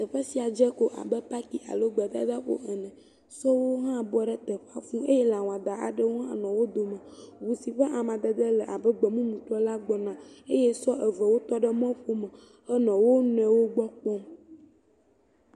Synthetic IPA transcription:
t̪ə˨ɸe˦si˨a˨d͡ʒɛ˦ko˦ʔa̰˨bɛ˦pa˦ki˨ʔa̰˨lo˦ɡ͡bɛ˨d̪a̰˦d̪a˦ɸo̰˦ɛ˨nɛ̃˨ | sɔ˦wo˦ɦã˦bɔ˦ɖɛ˦t̪ɛ˨ɸa˦fũ˦e˦jɛ˦la˨w̃ã˨d̪a˨ʔa˨ɖə˦wo˦ɦã̰˦nɔ̃˨wo˦d̪o˨mə̃˨wu˨si˨ɸɛ˦ʔa˨mã˨d̪ə˨d̪ə˦lə˨ʔa˨bə˦ɡ͡bɛ˨mũ˦mũ˨t̪ɾɔ˦la˦ɡ͡bɔ˨nã˨e˦jɛ˦sɔ˦ʔə˨və˨wo˦t̪ɔ˦ɖə˦mɔ̃˦ɸo˦mə̃˨ | hə˦nɔ̃˨wo˦nɛ̃˨wo˦ɡ͡bɔ˦k͡pɔ˦m

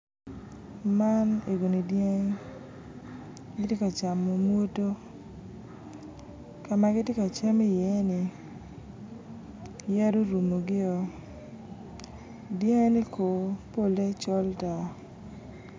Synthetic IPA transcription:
ma˦ne˨ɡo˨ni˨dje˦ŋ | ɡɪ˦tje˦ka˨t͡ʃa˨mːo˨mwo˦to˦ | ka˨ma˨ɡɪ˦tje˦ka˨t͡ʃɛ˦mi˦jɛ˨˦nɪ˨ | jɛ˦do˦ɾu˨mo˨ɡɪ˦ɔ˨ | dje˦ŋ˦ni˦kʰo˨po˦le˦t͡ʃɔ˦lta˨

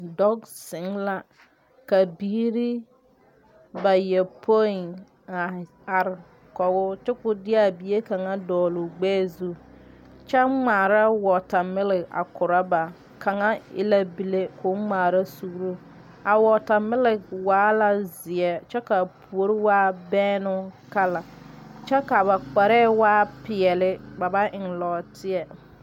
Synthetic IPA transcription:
dɔ˦ɡsɪ˨˦ŋla˦ | ka˨biː˨˦ɾi˦ | ba˨jɛ˨pʰo˦i˨n | a˨ | a˨ɾ | kɔ˨ɡʊ˦t͡ʃɛ˦kʊ˨dɪ˦a˦˨bi˨˦e˦ka˨ŋa˦dɔː˨lʊ˨ɡ͡bɛː˦zu˦ | t͡ʃɛ˦ŋ͡maː˨ɾa˦wɔ˨ta˨mɪ˦lɪ˨ɡa̰˨kʊ˨ɾa˦ba˨ | ka˨ŋa˦ɪ̰˦la˦bi˨le˦kʰʊ˨˦ŋ͡maː˨ɾa˦su˦ɡɾu˦ | a˨wɔ˨ta˨mɪ˦lɪ˨ɡwaː˨˦la˨zɪ˨ɛ˦t͡ʃɛ˦ka˨pʰu˨o˦ɾɪ˦waː˦bɛː˦nʊ˦ka˦la˨t͡ʃɛ˦ka˨βa˨k͡pa˨ɾɛː˦waː˦pɪ˨ɛ˨lɪ˦ba˨ba˦ʔɪ˨ŋlɔː˨tʰɪ˦ɛ˨

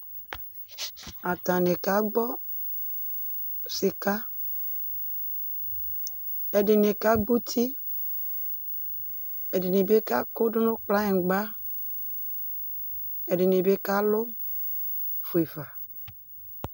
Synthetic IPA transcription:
a˨t̪ã˨ne˨ka˨˦ɡ͡bɔ˦ | sɪ˨ka˦ | e˨ɖɪ˨ne˨ka˦ɡ͡bu˦t̪ʰi˦ | e˨dɪ˨ne˨be˦ka˦kʊ˦ɖʊ˦nʊ̃˦k͡pla˦ẽ˨ɡ͡ba˦ | e˨ɖɪ˨ne˨be˦ka˦lʊ˦ | fo˨e˨va˨

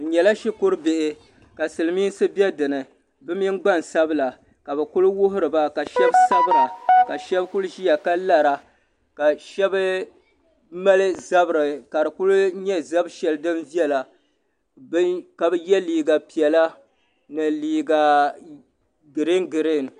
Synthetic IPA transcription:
ɲɛ˨la˦ʃi˦kʊ˦ɾɨ˦bɪ˨ʔɪ˨ | ka˨sɨ˨lɨ˨miː˦n˦sɨ˦bɛ˦dɨ˨nɨ˨ | bɨ˦mi˦ŋ˦ɡ͡ba˦˨nsa˦bɨ˦la˨ | ka˨bɨ˨kʊ˦lwʊ˦ɦʊ˦ɾɨ˨ba˦ka˨ʃɛ˦bsa˦bɨ˦ɾa˨ka˨ʃɛ˦bkʊ˦lʒi˦ja˨ka˦la˨ɾa˨ | ka˨ʃɛ˦b | ma˦lɨ˦za˦bɨ˨ɾɨ˨ka˨ɾɨ˨kʊ˦lʊ˦ɲɛ˦za˦bʃɛ˨lɨ˦dɨ˦mvi˦ɛ˦la˨˦ | ka˨bɨ˦jɛ˦liː˨ɡa˨pi˨ɛ˨la˦ | nɨ˨liː˨ɡa˨ | ɡɨ˨ɾɪ˦ŋɡɨ˨ɾɪ˦˨n˨

